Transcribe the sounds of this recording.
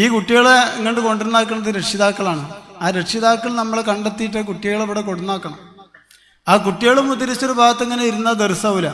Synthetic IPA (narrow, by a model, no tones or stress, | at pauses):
iːkuʈːiɣɐɭeŋːɐnʈːɨko̞ɳɖiunːaːk̬ːɐɳɖɐðɨɾeʈʂiðaːkːɐɭaːɳɨaːɾeʈʂiðaːkːɐɭnɐmːɐɭkɐɳɖet̪ːijiʈːɐkuʈːijɣɐɭeʋiɽeko̞ɽunːaːkːɐɳɐm | aːkuʈːijɐɭumut̪ːɐɾit͡ɕːo̞ɾubʱaːɡɐt̪ːeŋːɐnejiɾunːɐd̪eɾusɐʋulɐ